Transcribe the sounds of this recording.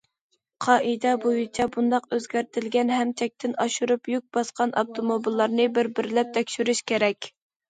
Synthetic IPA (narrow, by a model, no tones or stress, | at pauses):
qʰɑʔid̪ɛbojyt͡ʃʰɛbund̪ɑqøzɡʲæɾt̪ʰɪlɡʲɛnɦɛmt͡ʃʰɛk̚ʲt̪ʰɪnɑʃuɾupjyk̚ʲbɑsqɑnʔɑp̚t̪ʰomobilˠːɑɾnɨbɪɾbɪɾlɛp̚t̪ʰɛkʲʃyɾyʃkʲeɾɛkʲ